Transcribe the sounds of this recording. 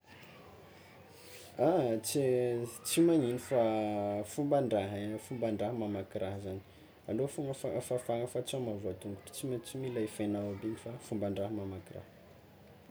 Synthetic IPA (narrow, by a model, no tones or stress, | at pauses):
at͡sit͡simaninifafumbaɳɖ͡ʐaɦfumbaɳɖ͡ʐaɦəmamakiɾaɦəzaɲi̥ | alofuŋəfafafaŋəfat͡samavat̪uŋɡuʈ͡ʂə̥t͡simat͡similaifajnawabiɲifafumbaɳɖ͡ʐaɦəmamakira̰hə̥